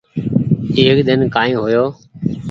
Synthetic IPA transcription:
eːkd̪ɪnkaːĩːɦoːjoː

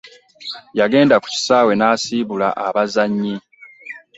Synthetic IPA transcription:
jaɡe̞ːndaku̥ci̥saːwe̞naːsiːβula̰ʔaβazaɲːi

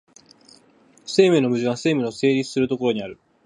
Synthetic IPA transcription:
se̞ːmeno̞mɯ̟ʑiβase̞ːmeo̞se̞ːɾʲit͡sɨ̥sɨɾɯ̟t̪o̞koɾo̞ɲ̟iaɾɯ̟

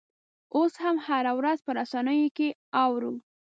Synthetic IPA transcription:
oshamhaɾawɾazpəɾasɑnəjokeɑwɾu

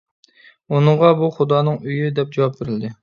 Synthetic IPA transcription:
unɨɴʁɑbuχʊd̪ɑːnɨŋyjyd̪ɛp̚d͡ʒɑwɑp̚beɾɪld̪ɪ

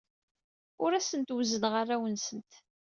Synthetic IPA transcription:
ʊɾæsənt̪wzənʁarːæwənsənt̪

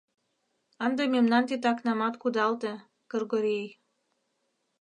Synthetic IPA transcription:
ɑnd̪ememnɑnt̪it̪ɑknɑmɑt̪kud̪ɑlt̪e | kɤrɣoɾij

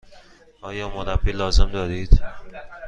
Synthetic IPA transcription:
ɒːjɒːmoɾabilɒːzemd̪ɒːɾiːd̪̥

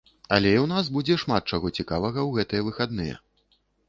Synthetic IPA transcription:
ɐlʲɛiwnas̬bud͡zʲɛʂmat̪̚t͡ʂaɣɔt͡sʲikavɐɣɐwɣɛt̪ɨjɛvɨxad̪nɨjɛ̰

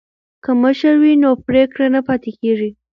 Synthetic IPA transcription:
kəməʃəɾwinopɾekɽanapɑt̪ekeʐi

